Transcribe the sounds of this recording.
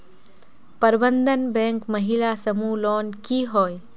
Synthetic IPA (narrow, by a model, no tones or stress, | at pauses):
pəɾbə̃nd̪ʱənbɛ̃ːŋkməɦilasɐmulɔːnkiɦoːj